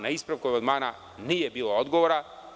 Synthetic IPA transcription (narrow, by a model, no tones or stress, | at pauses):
naispɾaʋkuamand̪maːna | niːjebiːlood̪ɡoʋoɾa